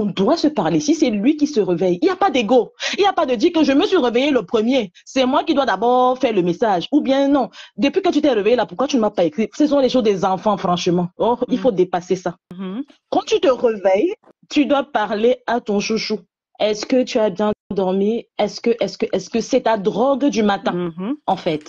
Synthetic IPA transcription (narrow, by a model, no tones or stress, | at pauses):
ɔ̃d̪wasəpaʁlesisɛlɥikisəʁəvɛjiljapad̪eɡoiljapad̪əd̪iːʁkəʒəməsɥiʁəvejeləpχəmje | sɛmwakid̪wad̪abɔːʁfɛʁləmesaʒubjɛ̃nɔ̃d̪əpɥikət̪yt̪ɛʁəvejelapuʁkwat̪ynəmapaekχisəs̬ɔ̃leʃozd̪ezɑ̃fɑ̃fχɑ̃ʃəmɑ̃ɔilfod̪epasesa | kɑ̃t̪yt̪əʁəvɛj | t̪yd̪wapaʁleat̪ɔ̃ʃuʃu | ɛskət̪yabjɛ̃d̪ɔʁmiɛskəʔɛskəʔɛskəsɛt̪ad̪ʁɔɡd̪ymat̪ɛ̃ɑ̃fɛt̪